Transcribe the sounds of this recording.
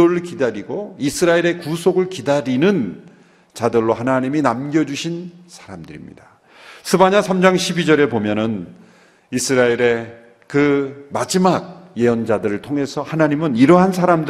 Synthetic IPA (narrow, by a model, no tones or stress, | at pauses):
oɯɭkidaɾiɡoisʰɯɾaeɾe̞kusʰoɡɯɭkidaɾinɯn | t͡ɕadɯɭːoɦanaɲiminamɡjʌd͡ʑuɕʰinsʰḁɾamdɯɾḭmɲḭda | sʰɯbaɲasʰamd͡ʑaŋɕʰibid͡ʑʌɾe̞bomjʌnɯn | isʰɯɾaeɾe̞ | kɯmad͡ʑimaɡ̚je̞ʌnd͡ʑadɯɾɯɭtʰoŋe̞sʰʌhanaɲimɯniɾʌɦansʰaɾamdɯ